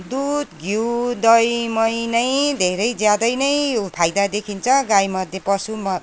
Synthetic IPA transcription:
d̪ud̪ɡʱiwd̪ʌjmʌjnʌjd̪ʱeɾʌjd͡zjad̪ʌjnʌjpʰajd̪ad̪ekʰint͡sʰʌɡajmʌd̪ʱjepʌsumʌ

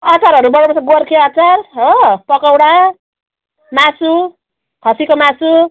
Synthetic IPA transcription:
at͡saɾʌɾubʌɽ̃opʌsaɡorkʰeat͡sarɦʌpʌkʌwɽa | masu | ɦʌsikomasu

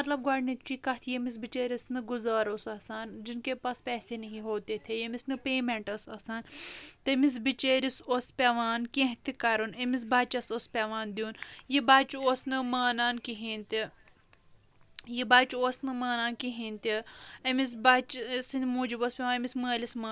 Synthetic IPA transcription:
mɐt̪lɐb̚ɡaːɽnit̪t͡ʃikɐt̪ʰjemis̬bit͡ʃeːɾʲɐsnɨɡuzaːɾosɐsaːnd͡ʒinkepaspɛːsenɐɦiɦoːt̪et̪ʰejemisnɨpeːmeɳʈɐsɐsaːnt̪emis̬bit͡ʃeːɾisoːspʲeʋaːnkʲẽɦt̪ikɐɾunemis̬baːt͡ʃɐsoːspʲeʋaːnd̪juːnjibaːt͡ʃioːsnɨmaːnaːnkiɦĩnʲt̪i | jibaːt͡ʃoːsnɨmaːnaːnkiɦint̪iɐmis̬baːt͡ʃsinmoːd͡ʒiboːspʲeʋaːnɐmisməːlismaː

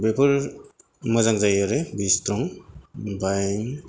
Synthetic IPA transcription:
bepɯɾ | mɯzaŋzajaɾebistɾɔŋ | bajŋ

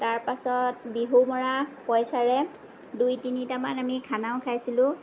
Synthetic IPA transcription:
taɹpasɔt̚biɦumɔɹapɔjsaɹɛ | dujtinitamanamikʰanaʊ̃kʰajsilʊ̃

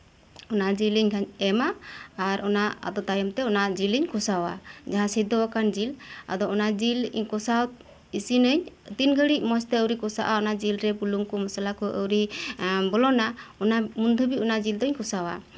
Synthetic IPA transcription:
ɔnad͡ʒiliɲkʰaɲɛmaːɾʔɔnaa̰d̪ɔt̪ajɔmt̪ɛɔnad͡ʒiliɲkusawa̰d͡ʒaɦãsid̪ɔakand͡ʒila̰d̪ɔɔnad͡ʒilkɔsa | isinəɲt̪inɡəɽic̚mɔst̪ɛəwɾikɔsaʔaɔnad͡ʒilɾɛbuluŋkɔmasalakɔʔəwɾibɔlɔnaɔnamund̪ʱubiɔnad͡ʒild̪ɔɲkusawa̰

